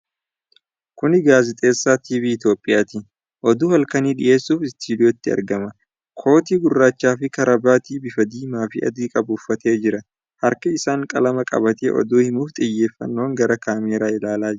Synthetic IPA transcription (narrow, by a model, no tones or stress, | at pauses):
kʊnɪɡaːzɪt̪ʼe̞ːsːaːt̪iːviːɪt̪jo̞ːpʼːɪjaːt̪i | ʔɔd̪uːhɐlkɐniːᶑɪʔe̞ːsːuːfɪst̪iːd̪ɪot̪ːɪɐ̰ɾɡɐmɐ | kʰo̞ːt̪iːɡʊrːaːt͡ʃːaːfɪkɐɾɐbaːt̪iːbɪfɐd̪iːmaːfɪʔɐ̰d̪iːkʼɐbʊfːɐt̪e̞ːd͡ʒɪɾɐ | hɐɾkɐɪsaːŋkʼɐlɐmɐkʼɐ̰bɐt̪ḛːʔɔ̰d̪uːhɪmuːft̪ʼɪjːe̞ːfːɐ̰nːo̞ːŋɡɐɾɐkaːmeːɾaːɪlaːlaː